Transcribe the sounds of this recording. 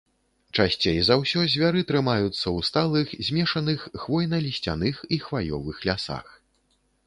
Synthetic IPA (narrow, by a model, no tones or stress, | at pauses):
t͡ʂasʲt͡sʲejzawsʲɔzʲvʲaɾɨt̪ɾɨmajut̪sːɐwst̪alˠɨxzʲmʲɛʂɐnɨxːvɔjnɐlʲisʲt͡sʲa̰nɨxixvajɔ̰vɨxlʲasa̰x